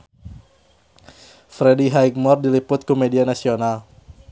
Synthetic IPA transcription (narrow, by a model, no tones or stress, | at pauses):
fɾediɦajk̚mɔrdilipʊt̪̚kumɛdianasional